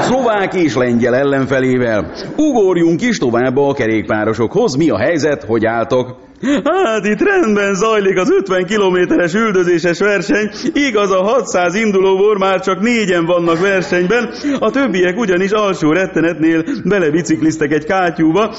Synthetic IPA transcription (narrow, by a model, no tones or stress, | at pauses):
sovaːkeːʃlɛɲɟɛlɛlːɛɱfɛleːvɛluɡoɾjuŋkiʃt̪o̞vaːbːɒːkɛɾeːk̚pa̰ːɾo̞ʃo̞kho̞zmiɒ̰ɦɛjzɛt̪ho̞ɟaːlt̪o̞k | hat̪it̪rɛnd̪bɛnzɒjlikɒzøt̪ʋɛŋkiloːmeːt̪ɛɾɛʃyld̪øzeːʃɛʃʋɛrʃɛɲiɡɒzɒɦɒt̪saːzind̪uloːvoːrmaːrt͡ʃɒkneːɟɛɱvɒnːɒkʋɛrʃɛɲbɛnɒt̪ø̞bːijɛkuɟɒniʃɒlʃoːɾɛt̪ːɛnɛt̪neːlbɛlɛbit̪siklist̪ɛkɛckaːcuːbɒ